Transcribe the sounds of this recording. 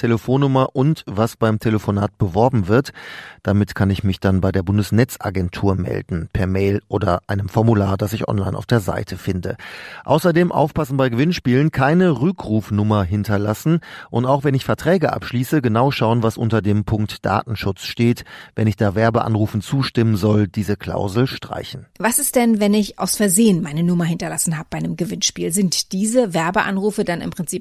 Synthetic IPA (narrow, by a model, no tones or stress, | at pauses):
tʰeləfoːnːʊmɐʔʊntvasb̥aɪmtʰeləfonaːt̚b̥əvɔɐbm̩vɪɐtd̥amɪtkʰanɪçmɪçd̥anbaɪdeːɐbʊndəsnɛt͡sʔa̰ɡɛntʰuːɐmɛ̰ldn̩pʰɛɐmɛɪlʔoːdɐʔaɪnəmfɔɐmulaːɐdasɪçʔɔ̰nla̰ɪnaʊfd̥eːɐza̰ɪtʰəfɪndə̰ʔa̰ʊsɐdeːmʔa̰ʊfpasn̩baɪɡəvɪnʃpiːlənkʰaɪnəʁʏkʁuːfnʊmɐɦɪntʰɐlasn̩ʔʊntaʊxv̥ɛnɪçfɛɐtʁ̥ɛːɡəʔa̰pʃliːsəɡənaʊʃaʊənvasʔʊntɐdeːmpʰʊŋktd̥a̰ːtn̩ʃʊt͡sʃteːtvɛnɪçd̥aːvɛɐbəʔa̰nʁuːfn̩t͡suːʃtɪmənzɔld̥iːzəkʰl̥a̰ʊzl̩ʃtʁ̥a̰ɪçn̩vasɪstd̥ɛnvɛnɪçʔa̰ʊsfɛɐzeːənmaɪnənʊmɐhɪntɐlasn̩ɦaːbəb̥aɪnəmɡəvɪnʃpiːlzɪntd̥iːzəvɛɐbəʔa̰nʁuːfədanɪ̰mpʁ̥ɪnt͡siːp